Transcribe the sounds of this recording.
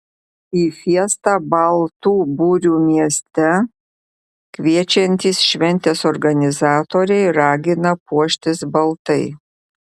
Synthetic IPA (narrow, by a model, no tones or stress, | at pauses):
iːfʲiɛst̪ɑːbɐlˠt̪uːbuːɾʲuːmʲiɛsʲt̪ʲɛ | kʋʲiɛt͡ʃʲɛnʲt̪ʲiːsʃʲʋʲɛnʲt̪ʲeːsɔɾɡɐnʲɪzɑːt̪oːɾʲɛɪɾɑːɡʲɪnɐpuɔʃʲt̪ʲɪsbɐlˠt̪ɐɪ